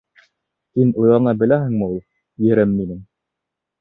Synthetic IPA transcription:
hinujɑnɑbɘ̆læhɘ̆ŋmɘulˠ | jɘ̆ɾɘmːinɘm

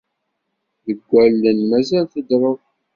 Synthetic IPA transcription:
ðəɡʷːælːənmæzælθəd̪ɾˤəð

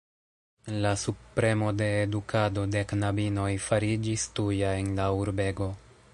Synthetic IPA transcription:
lasupɾe̞mo̞de̞ːdukʰado̞de̞knabino̞jfaɾid͡ʒistujae̞nlauɾbe̞ɡo̞

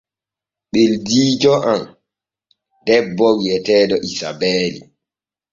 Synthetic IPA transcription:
ɓeldiːd͡ʒɔʔam | dɛbːɔwjɛtɛːdɔʔisa̰bɛːlḭ

